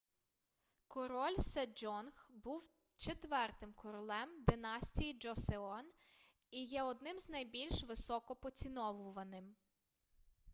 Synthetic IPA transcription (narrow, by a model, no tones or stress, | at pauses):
kɔɾɔlʲsɛd͡ʒɔnxbuw | t͡ʃet̪ʋɛrt̪ɪmkɔɾɔlˠɛmd̪ɪnɑsʲtʲijid͡ʒɔseɔn | ijɛɔd̪̚nɪmznɐjbʲilʲʃʋɪsɔkɔpɔt͡sʲinɔʋʊʋɐnɪm